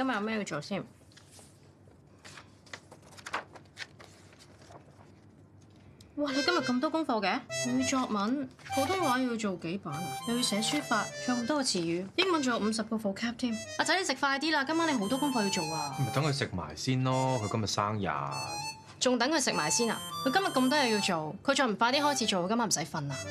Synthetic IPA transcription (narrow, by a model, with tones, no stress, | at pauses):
kɐ˥mjɐ˨tjɐ˧mɛː˥ji˧wt͡ʃo˨wsiː˥n | waː˨˩ne˨˧kɐ˥mjɐ˨t̚kɐ˧mt̪ɔː˥kʊ˥ŋfɔː˧kɛː˧ne˨˧jt͡ʃɔː˧k̚mɐ˨˥npʰo˨˥wt̪ʰʊ˥ŋwaː˨˥˨ji˧wt͡ʃo˨wke˨˥jpaː˨˥nne˧ji˧wsɛː˨˧˥ŋsyː˥faː˧t̚kʰa˧ŋm̩˨˩t̪ɔː˥kɔ˧t͡sʰiː˨˩jyː˨˧jɪ˥ŋmɐ˨˥nt͡ʃo˨˩m̩˨˧sɐ˨p̚kɔː˧fo˨˧˩kʰɛː˥p̚t̪ʰiː˥m | aː˨˩t͡sɐ˨˥ne˨˧sɪ˨k̚faː˧jt̪̬iː˥laː˧kɐ˥maː˨˥ne˨˧jɦo˨˥wt̪ɔː˥kʊ˥ŋfɔː˧ji˧wt͡so˨waː˧m̩˨˩t̪ɐ˨˥ŋkʰɵ˨˧sɪ˨k̚ma̰ː˨˩jsiː˥nlɔː˥kʰɵ˨˧ɥkɐ˥mjɐ˨t̚saː˥ŋja̰ː˨˧ | t͡sʊ˨ŋt̪ɐ˨˥ŋkʰɵ˧sɪ˨k̚maː˨˩jsiː˥na̰ː˨kʰɵ˧kɐ˥mjɐ˨t̚kɐ˧mt̪̬ɔː˥jɐ˨˧wji˧wt͡so˨wkʰɵ˧t͡ʃɔː˧˩m̩˨˩fa˧t̪iː˥ɦɔː˥jt͡sʰi˨˥t͡ʃo˨wkkɐ˥maː˥m̩˨sɐ˨˥jfɐ˧naː˨